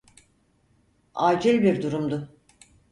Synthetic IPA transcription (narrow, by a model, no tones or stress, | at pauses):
aːd͡ʒilʲbiɾd̪uɾumd̪ʊ